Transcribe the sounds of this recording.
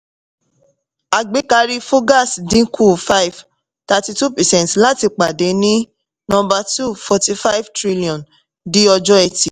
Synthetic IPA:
a˨ɡ͡be˨˦ka˧ɾi˧fo˦ɡa˦˨sdĩ˨˦kʰu˦˨fa˦i˨v | ta˧ti˧tu˦˨pɛ˨sɛ̃˨tla˦ti˧k͡pa˨de˨˦nĩ˦ | nɔ̃˦˧ba˧tu˦˨fɔ˧ti˧fa˦i˦vtɾi˦li˨ɔ̃˨n | di˦ɔ˧d͡ʒɔ˦ɛ˧ti˨

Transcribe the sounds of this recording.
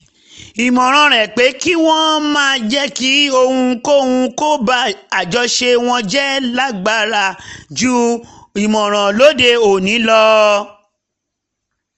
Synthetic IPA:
i˨mɔ̃˨ɾ̃ã˨ɾ̃ɛ˨k͡pe˨˦ki˦w̃ɔ̃˦mãː˦˧d͡ʒɛ˦ki˨˦o˧hũ˧ko˦hũ˧ko˦ba˦a˨d͡ʒɔ˧ʃe˧w̃ɔ̃˧d͡ʒɛ˦la˦ɡ͡ba˧˦ɾa˧˨d͡ʒu˦ | i˨mɔ̃˨ɾ̃ã˨lo˨˦de˧o˨nĩ˨˦lɔ˧

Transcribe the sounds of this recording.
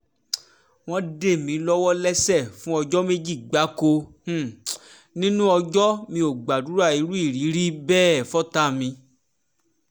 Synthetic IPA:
w̃ɔ̃˦de˦˨mĩ˨˦lɔ˦wɔ˦lɛ˦sɛ˦˨fũ˦ɔ˧d͡ʒɔ˦me˦d͡ʒi˦˨ɡ͡ba˨˦ko˧h̩˦˨ | nĩ˦nũ˦ɔ˧d͡ʒɔ˦mĩ˧o˨ɡ͡ba˨du˨˦ɾa˦˨i˨˧˦ɾu˦i˦˨ɾi˨˦ɾi˦bɛː˦˨fɔ˦ta˦˨mĩ˧

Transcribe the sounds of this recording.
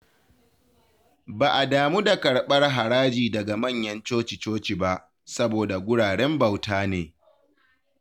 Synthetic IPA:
baː˨ʔa˨daː˨muː˦da˨kɐ˨ɽɓɐ˦rɦa˨ɽaː˦d͡ʒiː˨dɐ˨ɡa˨mɐ˦˨ɲjɐ˦nt͡ʃoː˦t͡ʃi˨t͡ʃoː˦t͡ʃi˨ba˦ʔ | sɐ˦boː˨da˨ɡʷʊ˦ɽaː˨ɽɛ˦mbɐ˨wtaː˦neː˨

